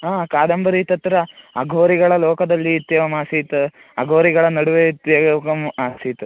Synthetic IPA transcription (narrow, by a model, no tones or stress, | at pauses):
aːkaːd̪ɐmbɐɾit̪ɐt̪ːɾɐɐɡʱoːɾiɡɐɭɐlɔːkɐd̪ɐlːiːt̪jɐʋɐmaːsiːt̪u | ɐɡʱoːɾiɡɐɭɐnɐɽuʋeit̪jɐkɐmaːsit̪u